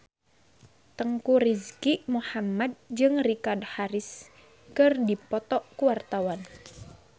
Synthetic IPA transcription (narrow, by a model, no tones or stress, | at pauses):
t̪əŋkuɾizkimuhamad̪̚d͡ʒɨŋrikadhaɾis | kɨrdipɔt̪ɔʔkuwart̪awan